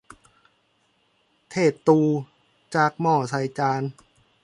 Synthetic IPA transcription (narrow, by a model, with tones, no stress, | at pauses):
t̪ʰeː˨˩t̪ːuː˧ | t͡ɕaː˨˩k̚mɔː˧˩sʰa˧jt͡ɕaː˧n